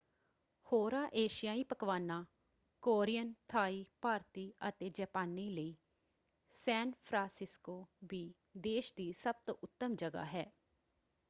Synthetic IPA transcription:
hoːɾaːʔeːʃɪjãːiːpəkʋaːnãː | koːɾijənt̪ʰaːiːpaːɾt̪iːət̪eːd͡ʒɛːpaːniːləiː | sɛːnpʰɾãːsɪskoːbiː | d̪eːʃd̪iːsəb̚t̪õ̰ːʔʊt̪ːəmd͡ʒəɡa̰ːɦɛː

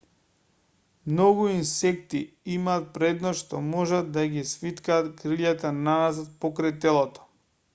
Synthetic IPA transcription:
mnoɡuinsɛkt̪i | imaːt̪̚pɾɛd̪nosʃt̪ɔmɔʒad̪d̪aɡisfit̪kaːt̪kɾiʎat̪ananazat̪̚pokɾajt̪ɛlˠɔt̪ɔ̥

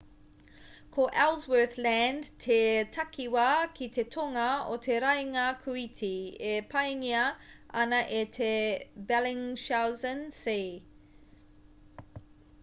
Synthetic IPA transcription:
kʰoʔɛlzwə˞θlændtʰetʰɐkʰiwɐkʰit̪et̪ʰoŋɐot̪ʰeɾɐjŋaɐkʰuitʰiepʰɐjŋiɐɐnɐʔet̪ʰebɛlɪŋʃawzənse

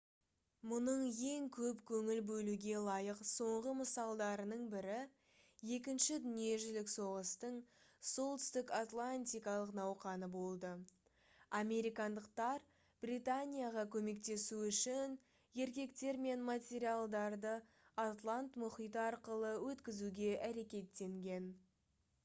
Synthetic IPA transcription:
mʊnəɴje̞ŋkʲʰɵpkʲʰɵŋɪlbɵluɡʲe̞lˠɑjəqso̞ɴʁəməsɑlˠd̪ɑɾənəɴbɪɾɪ | je̞k̬ʲɪnʃɪd̪ʏnije̞ʒɪlɪkso̞ʁəst̪əɴso̞lˠt̪ʏ̥st̪ɪkat̪lˠanʲt̪ʲijkɑlˠəqnɑwqɑnəbo̞lˠd̪ə | ame̞ɾijkɑnd̪əqt̪ɑɾ | b̥rijt̪anʲijaʁɑkʲʰɵme̞k̚t̪e̞suʏʃɪn | je̞ɾkʲe̞kt̪e̞ɾme̞nmat̪ʲe̞ɾijalˠd̪ɑɾd̪ə | at̪lˠant̪mʊχijt̪əɑɾqəlˠəwɵt̪kʲɪzuɡʲe̞ʔæɾe̞kʲe̞t̪ːe̞ŋɡʲe̞n

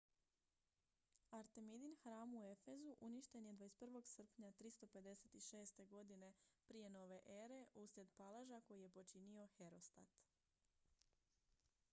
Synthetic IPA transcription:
aɾt̪e̞mid̪inxɾaːmue̞fezuʔuniʃt̪e̞nje̞d̪ʋaespr̩ʋo̞ɡsr̩pɲat̪ɾist̪o̞pe̞d̪e̞se̞t̪iʃe̞ːst̪e̞ɡo̞d̪ine̞pɾije̞no̞ːʋe̞ʔe̞ːɾe̞ʔusɾe̞d̪palaʒako̞jije̞po̞t͡ʃinio̞xe̞ɾo̞st̪a̰t̪

